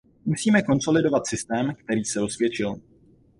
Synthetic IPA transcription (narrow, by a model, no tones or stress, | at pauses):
musiːmɛko̞nso̞lɪdo̞vat̪sɪst̪ɛːmkt̪ɛɾiːsɛɾo̞svjɛt͡ʃɪl